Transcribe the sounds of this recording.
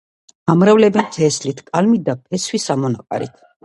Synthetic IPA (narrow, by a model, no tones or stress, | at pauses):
amɾavlɛbɛnt̪ʰɛːslit̪ʰkʼalmid̪apʰɛswisamɔnaqʼa̰ɾḭt̪ʰ